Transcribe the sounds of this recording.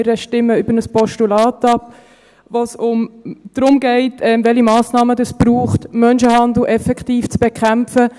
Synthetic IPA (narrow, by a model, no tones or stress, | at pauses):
ɾəʃtɪmːəʏbəɾnəspɔʃtulɑːtɑp | vosʊmd̥ɾʊmɡɛɪtʰɛmvɛlimɑːsnɑːmədɑsb̥ɾuːχtmœnʃəhɑnd̪l̩ʔɛfɛkʰtiːft͡sb̥ekʰχæmfə